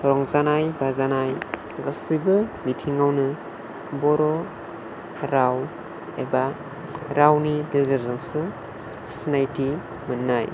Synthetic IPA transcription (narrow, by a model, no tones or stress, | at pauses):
ɔɾɔŋzanajbazanaj | ɡasibɯmitʰiŋawnɯ | bɔɾɔ | ɾaw | eba | ɾawnidezeɾzɯnsɯ | snajti | mɯnːaj